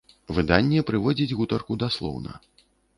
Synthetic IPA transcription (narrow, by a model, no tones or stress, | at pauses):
vɨd̪anʲːɛpɾɨvɔd͡zʲid͡zʲɣut̪ɐrkud̪aslˠɔ̰wnɐ̰